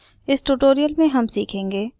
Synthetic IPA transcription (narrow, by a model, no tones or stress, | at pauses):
ɪsʈuːʈoːɾijəlmẽɦɐmsiːkʰẽːŋɡeː